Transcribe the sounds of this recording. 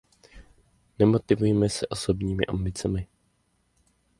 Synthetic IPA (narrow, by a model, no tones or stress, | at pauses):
nɛmo̞t̪ɪvujɛmɛsɛʔo̞so̞bɲiːmɪ̰ʔambɪt͡sɛmɪ